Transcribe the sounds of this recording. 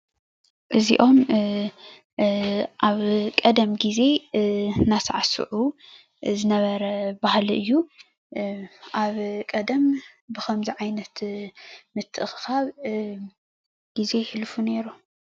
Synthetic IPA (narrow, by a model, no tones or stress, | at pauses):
ʔɨzḭʔo̞m | ʔaβkʼɐd̪ɐmɡize̞ | nasaʕasṵʕu | zɨnɐβɐɾɐbahliɨjːu | ʔaβkʼɐd̪ɐmbɨxʰɐmziʕajnɐt̪ | mɨt̪ʰːɨʔɨxɨxaβ | ɡ̥ize̞ħɨlfune̞ɾu